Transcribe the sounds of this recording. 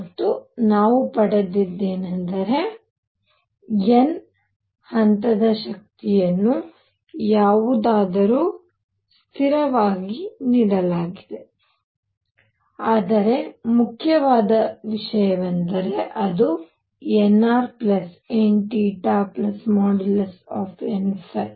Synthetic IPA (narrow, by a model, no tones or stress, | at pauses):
t̪ːunaːʋupɐɽɐd̪id̪ːeːnɐnd̪ɐɾe̞ | en | hɐnt̪ɐd̪ɐʃɐk̚t̪ijɐnːu | jaːʋud̪aːd̪ɐɾuː | st̪ʰiɾɐʋaːɡiniːɽɐlaːɡid̪e̞ | aːd̪ɐɾe̞mukʰjɐʋaːd̪ɐʋiʂɐjɐʋɐnd̪ɐɾe̞ʔɐd̪u | enːaːɾplɐs | eɳʈiʈaːplɐsmɔːɖilsaːpʰenpʰɐj